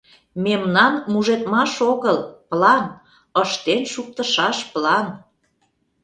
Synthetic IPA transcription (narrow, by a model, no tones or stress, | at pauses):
memnɑnmuʒet̪mɑʃoɣəlplɑn | əʃt̪enʃuk̚t̪əʃɑʃplɑn